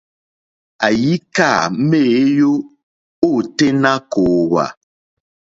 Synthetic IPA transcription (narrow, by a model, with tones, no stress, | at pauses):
a˨ji˦ka˦˨˦me˦˨˦jo˦ | o˦˨te˦na˦koː˨wa̰˨